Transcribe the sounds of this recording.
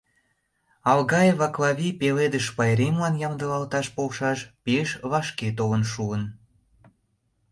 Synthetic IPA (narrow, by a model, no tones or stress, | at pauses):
ɑlɣɑjevɑklɑβʲipeled̪əʃpɑjɾemlɑnjɑmd̪əlɑlt̪ɑʃpolʃɑʃpeʃβɑʃket̪̬olə̆nʃuən